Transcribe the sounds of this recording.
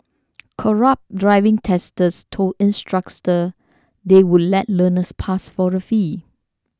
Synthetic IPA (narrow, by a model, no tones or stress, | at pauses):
kʰɔɹap̚dɹaɪvɪ̃ŋtʰɛstəstʰoĩnstɹak̚tə | dewudlɛt̚lənəspʰasfɔɹəfi